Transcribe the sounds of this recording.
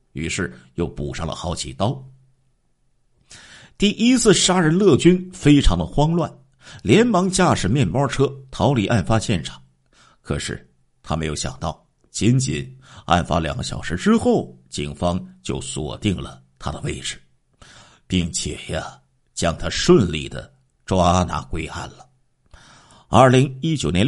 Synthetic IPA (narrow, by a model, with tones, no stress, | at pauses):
y˧˥ʂɻ̩˥˩jo˥˩ʊpu˨˩ʂɑ˥˩ŋlə̰˨xɑ˧˥ʊt͡ɕʰḭ˧˥˩t̪ɑ˥ʊ | t̪i˥˩ʔi˥t͡sʰɹ̩˥˩ʂa˥ɻə˧˥nlɤ˥˩t͡ɕy˥nfe˥ɪʈ͡ʂʰɑ˧˥ŋd̪ə˧xwɑ˥ŋlwa˥˩n | ljɛ˧˥nmɑ˧˥ŋt͡ɕja˥˩ʂɻ̩˨˩mjɛ˥˩nmɑ˥ʈ͡ʂʰɤ˥t̪ʰɑ˧˥ʊli˧˥ʔa˥˩nfa˥ɕjɛ˥˩nʈ͡ʂʰɑ̥˨˩˦ŋ | kʰɤ̰˨˩ʂɻ̩̰˥˩ | t̪ʰa˥me˧˥ɪjo˧˥ʊɕjɑ̰˨˩ŋt̪ɑ˥˩ʊ | t͡ɕi˧˥nt͡ɕḭ˨˩˦na̰˥˩nfa̰˥ljɑ̰˨˩ŋɡə˦ɕjɑ̰˨˩ʊʂɻ̩˧˥ʈ͡ʂɻ̩˥xo˥˩ʊt͡ɕḭ˨˩ŋfɑ˥ŋt͡ɕjo̰˥˩ʊswɔ̰˨˩t̪i˥˩ŋlə˩t̪ʰa̰˥d̪ə˨˧we˥˩ɪʈ͡ʂɻ̩˩ | pi˥˩ŋt͡ɕʰjɛ̰˨˩jə˦ | t͡ɕjɑ˥ŋt̪ʰa˥ʂwə˥˧nlḭ˥˩d̪ə̰˩ | ʈ͡ʂwa˥na̰˧˥kwe˥ɪa̰˥˩nlə˩ | ɐ˞˥˩li˧˥ŋi˥t͡ɕjo˨˩ʊnjɛ˧˥